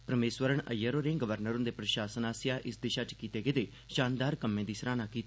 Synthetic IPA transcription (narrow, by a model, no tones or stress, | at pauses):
pɾəmeːsʋəɾəɳ̃ə̰jːəɾoːɾẽːɡəʋəɾnəɾʊ̃nd̪epɾəʃaːsənaːsjaːʔɪsd̪eːʃaːt͡ʃkiːt̪eːɡeːd̪eː | ʃaːnd̪aːɾkəmːẽːd̪iːsɾaːnaːkiːt̪aː